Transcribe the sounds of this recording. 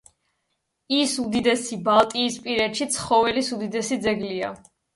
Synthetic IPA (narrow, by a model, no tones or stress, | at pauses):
isud̪id̪ɛsibalˠt̪ʼiːspʼiɾɛt̪ʃit̪sʰχɔvɛlisud̪id̪ɛsid̪zɛɡlia̰